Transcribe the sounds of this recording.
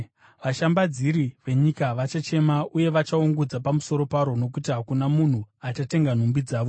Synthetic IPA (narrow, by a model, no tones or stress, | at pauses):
ʋaʃambad͡ziɾiʋe̞ɲikaʋat͡ʃat͡ʃe̞mauje̞ʋat͡ʃauŋɡud͡zapamuso̞ɾo̞paɾo̞no̞k̬utiɦakunamun̤uat͡ʃate̞ŋɡan̤umbid͡zaːʋo̞